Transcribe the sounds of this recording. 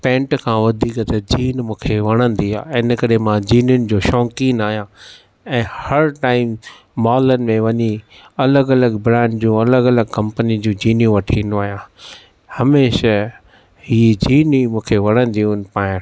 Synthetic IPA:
pɛ̃ːɳʈkʰãʋɐd̪ʱiːkət̪ɐd͡ʑiːnmũːkʰeʋɐɽ̃ə̃n̆d̪ia̰ːɪnəkɐɾemãd͡ʑiːnjʊnɪ̆d͡ʑoːʃɔ̃ːŋkiːnaːɦijãː | ɛ̃ːhɐɾʈaːɪmː | ɔːlənɪ̆mẽʋɐɲi | ɐləɡɐləɡbɾɛ̃ːɳɖd͡ʑũːɐləɡɐləɡkɐ̃mpənĩd͡ʑũːd͡ʑiːnjũʋɐʈʰiːnd̪oaːɦjãː | hɐmeːʃə | ɦiːd͡ʑiːnimũːkʰeʋɐɽ̃ə̃n̆d̪iũnpaːɪ̃ɾ

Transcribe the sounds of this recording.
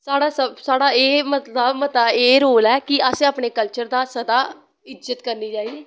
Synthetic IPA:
saːɽaːsəbsaːɽaːeːmət̪ləbmət̪aːeːɾoːlɛːkɪəsẽaːpɳeːkəlt͡ʃəɾd̪aːsəd̪aː | ɪd͡ʒət̪kəɾniːd͡ʒaːiːeː

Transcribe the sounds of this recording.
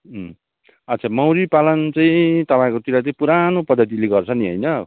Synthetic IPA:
ʌt̪ːt͡sʰamʌwɾipalʌnt͡saĩt̪ʌpaĩkot̪iɾat͡saĩpuɾanopʌd̪ʱːʌt̪̬ileɡʌrt͡sʰʌniɦʌ̰jnʌ

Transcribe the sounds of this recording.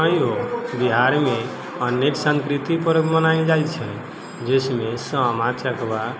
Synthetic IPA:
əjobiɦaɾme | ənːeksə̃ŋkɾit̪ipəɾmənaind͡ʒajt͡ʃʰɛ | d͡ʒəsmesə̃mat͡ʃʰəkʰba

